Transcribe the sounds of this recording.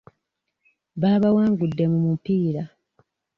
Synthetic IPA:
βaːβawaːŋɡudːe̞mumupiːɾa

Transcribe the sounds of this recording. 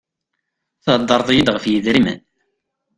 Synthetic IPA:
θhd̪ˤːɑɾˤðˤjid̪ʁəfjiðɾimə̰n

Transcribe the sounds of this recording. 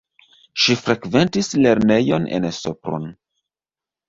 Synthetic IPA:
ʃifɾekve̞ntisle̞ɾme̞jo̞nḛnsopɾo̰n

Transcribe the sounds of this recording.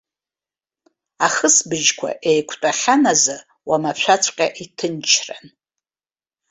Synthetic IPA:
aχəsbɨʒkʷʰa̰ʔejkʷʰtʷʼaχʲanaza | wamaʃʷᶣat͡sʷʰʼqʲʼa̰ʔitʰɨnt͡ʃʰra̰n

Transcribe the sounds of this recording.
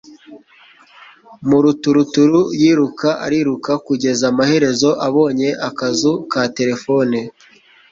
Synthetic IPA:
muɾutuɾutuɾujiːɾukaʔa̰ɾiːɾukakuɟe̞zamahe̞ɾe̞zo̞ʔaβo̞ːɲe̞ʔakazukate̞ɾe̞fo̞ni

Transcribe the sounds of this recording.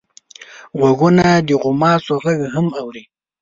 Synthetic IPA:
ɣwaɡunad̪əɣʊmɑːsoɣaɡɦamawɾi

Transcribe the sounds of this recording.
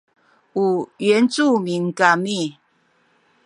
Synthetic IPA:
uɥɛnt͡sumiŋkami

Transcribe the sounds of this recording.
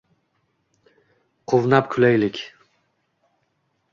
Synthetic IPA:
qʰʊvnapkʲʰʊlajlɪkʲ

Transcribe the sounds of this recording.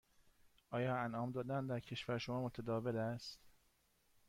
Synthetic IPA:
ʔɒːjɒːænɒːmd̪ɒːd̪ænd̪æɾcʰe̞ʃvæɾʃomɒːmot̪ʰæd̪ɒːvelæst̪

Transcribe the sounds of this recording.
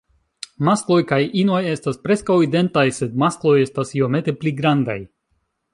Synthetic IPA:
masklo̞jkajino̞je̞staspɾe̞skawide̞ntajse̞d̪̚masklo̞je̞stasio̞me̞t̪e̞pliɡɾanda̰j

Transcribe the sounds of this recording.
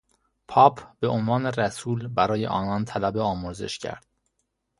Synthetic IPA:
pʰɒːpʰb̥e̞ʔonvɒːneræsuːlbæɾɒːje̞̰ʔɒ̰ːnɒːnt̪ʰælæbe̞ɒːmoɾzḛʃcʰæ̰ɾd̪̥̚

